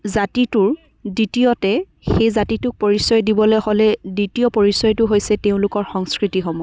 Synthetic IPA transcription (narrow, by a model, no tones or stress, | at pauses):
zatitʊɹ | ditijɔtɛ | xejzatitʊk̚poɹisɔjdibɔlɛhɔlɛditijɔpoɹisɔjtʊɦojsɛteʊ̃lʊkɔɹxɔŋskɹitixɔmɔj